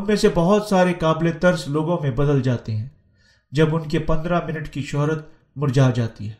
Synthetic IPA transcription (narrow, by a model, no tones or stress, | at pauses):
ɦɐmːẽsebɐɦʊt̪saːɾekaːblet̪ɐɾsloːɡõmẽbɐd̪əld͡ʒaːt̪eɦɛ̃ː | d͡ʒɐbʊnkepɐ̃nd̪ɾamɪnəʈkiʃɔɦɾət̪̚ | mʊɾd͡ʒaːd͡ʒaːt̪ḭɦɛː